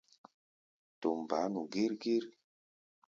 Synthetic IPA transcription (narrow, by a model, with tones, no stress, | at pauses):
tu˨m˨ba˨˦nu˨ɡe˦ɾɡi˦ɾ